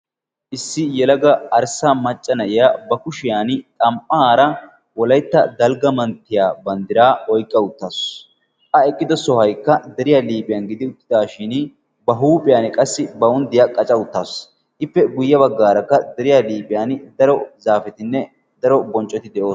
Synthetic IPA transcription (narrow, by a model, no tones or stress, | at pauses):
ʔɪsːɪjɛlɐɡɐɐɾsamɐt͡ʃʼːɐnɐjɪjabɐkʊʃɪjaːnt̪ʼɐmpʼːaaːɾɐ | wɔlɐjt̪ːɐd̪ɐlɡɐmɐnt̪ːɪjaːbɐnd̪ɪɾaːɔjkʼːɐʊt̪ːaːs | ʔɐɛkʼːɪd̪ɐsɔhɐjkːɐd̪ɛɾɪjaːliːpʼɪjaːnɡɪd̪ɪʊt̪ːɪ̥d̪aːʃɪn | bɐɦuːpʼɪjaːnɪkʼɐsːɪbɐʊnd̪ɪjakʼɐt͡ʃʼɐʊt̪ːaːs | ʔɪpːɛɡʊjːɐbɐɡːaːɾɐkːɐd̪ɛɾɪjaːliːpʼɪjaːnd̪ɐɾɔzaːfɛt̪ɪnːɛ | d̪ɐɾɔbɔnt͡ʃʼːɔt̪ɪd̪ɛʔo̞ːs